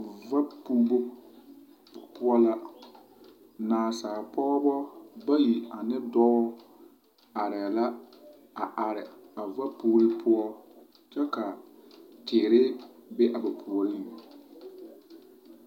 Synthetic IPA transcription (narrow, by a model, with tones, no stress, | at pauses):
va˦pu˦bo˦ | pʊ˦ɔ˦la˦ | naː˨saː˨pɔ˦ɣɔ˦bɔ˦ba˦ji˨a˨nɪ˦dɔ˦ɔ˦ | a˨ɾɛ˨la˦ | a˨ʔa˨ɾɪ˨a˨va˦puː˦ɾɪ˦pʰʊ˦ɔ˦ | t͡ʃɛ˦ka˨tɪː˨ɾɪ˦bɪ˦ʔa˨ba˨pʰu˨ɔ˨lɪ˦˨